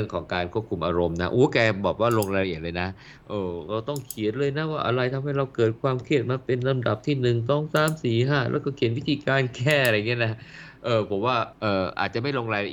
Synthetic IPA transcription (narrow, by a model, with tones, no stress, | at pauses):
ɯ˥˩əŋkʰɔː˩˦ŋkaː˧nkʰu˥˩əp̚kʰu˧mʔaː˧ɾo˧mna˦˥ʔoː˨˦kɛː˧bɔː˨˩k̚waː˥˩ɾoː˧ŋɾaː˧la˧i˨˩ə˩t̪̚lɤː˧jna˦˥ | ʔɤː˧˩ɾa˧wt̪ɔ˥˩ŋkʰi˨˩˦nlɤː˧jna˦˥waː˥˩ʔa̰˧ɾa˧jt̪ʰa˧mha˥˩jɾa˧wkɤː˨˩t̪̚kʰwaː˧mkʰi˥˩ət̪̚maː˧pe˧nːa˧mda˨˩p̚t̪ʰiː˥˩nɯ˨˩ŋt̪ɔ˥˩ŋsaː˨˦msiː˨˩˦ɦaː˥˩lɛ̰˦˥wkɔː˥˩kʰi˨˦nwi˦˥t̪ʰiː˧kaː˧nkʰɛː˥˩a˧ɾa˧˨ŋi˦˥ɐna˦˥ʔɤː˨˩pʰo˩˦mwaː˥˩ʔɤː˨˩ʔa̰ː˨˩t̪̚t͡ɕa˨˩ma˥˩jloː˧ŋɾaː˧jla˧ʔ